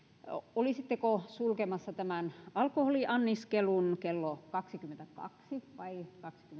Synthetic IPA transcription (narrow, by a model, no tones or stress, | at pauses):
olisit̪ːekosulkemɑsːɑt̪æmænɑlkoholiʔɑnːiskelunkelːokɑksikyment̪ækɑ̰ksiʋɑikɑksi̥kyme